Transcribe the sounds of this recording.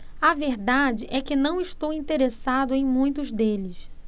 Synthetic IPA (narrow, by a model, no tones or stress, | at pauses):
ɐveɾd̪ad͡ʒɪʔɛkɪnɐ̃w̃ɪʃt̪owĩnt̪eɾesad̪ʊẽj̃mũj̃t̪ʊzd̪elɪs